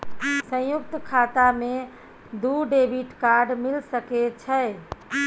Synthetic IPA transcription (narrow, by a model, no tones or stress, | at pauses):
sə̃juk̚t̪kʰat̪ame | d̪uɖebʱiʈkaɾɖmilsəket͡ʃʰə